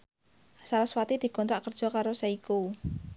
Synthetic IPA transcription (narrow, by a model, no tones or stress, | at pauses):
saɾaswat̪id̪̥i̤kɔnt̪ɾaʔkərd̥ʒ̥ɔ̤kaɾosaiku